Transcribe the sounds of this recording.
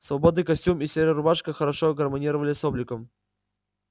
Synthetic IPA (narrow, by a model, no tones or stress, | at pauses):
svɐbod̪nɨjkɐsʲtʲumisʲeɾʲəɾʊbaʂkəxəɾɐʂoɡərmɐnʲiɾəvəlʲɪsoblʲɪkəm